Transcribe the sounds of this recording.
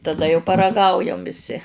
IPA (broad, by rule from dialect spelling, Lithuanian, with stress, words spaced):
tɐˈdɐ jɛʊ pɐrɐˈɡɐʊjɛm ʋʲɪˈsʲɪ